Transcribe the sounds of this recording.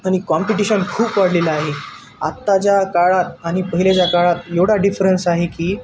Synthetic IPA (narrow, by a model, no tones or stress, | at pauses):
aɽ̃ikɔmpiʈiɕənkʰuːpʋaɽ̤lelaaɦe | a̰t̪ːat͡ɕjakaɭat̪aɽ̃ipəɦilat͡ɕjakaɭat̪jewɽaɖifɾənsaɦekiː